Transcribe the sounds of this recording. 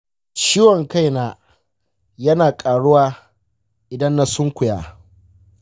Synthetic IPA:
t͡ʃiː˦wɔ˨ŋka˦jnaː˦ | jɐ˦naː˨kʼaː˨ɽʊ˦waː˦ | ʔɪ˨dɐ˦nːa˨sʊ˦ŋkʷʊ˨jaː˦

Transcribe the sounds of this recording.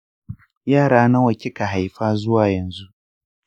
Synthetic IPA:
jaː˦˨ɽaː˦na˦wɐ˨kʲɪ˦ka˨ɦa˨jɸaː˦zʊ˦waː˨jɐ˨nzu˦ʔ

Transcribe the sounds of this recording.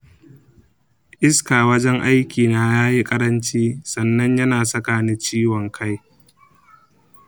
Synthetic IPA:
ʔɪ˦skaː˨wɐ˦d͡ʒɛ˦ŋʔa˦jkʲiː˨naː˦jaː˦ji˦kʼɐ˦ɾɐ˦nt͡ʃiː˦sɐ˨nːɐ˦ɲjɐ˦naː˨sɐ˦kaː˨ni˦nt͡ʃiː˦wɔ˨ŋkʰa˦j

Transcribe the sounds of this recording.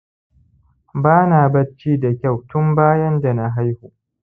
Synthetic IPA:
baː˦naː˨bɐ˦t͡ʃiː˦da˨kʲa˦˨wtʊ˦mbaː˦jɐ˦nda˨na˨ɦa˦jhuː˨

